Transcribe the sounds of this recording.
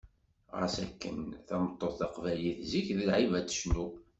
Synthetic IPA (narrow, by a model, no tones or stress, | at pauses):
ʁə̰sæ̰kːə̰nθæmət̪ˤːoθθɑqvæliθziçðəlʕivæd̪ə̥ʃnu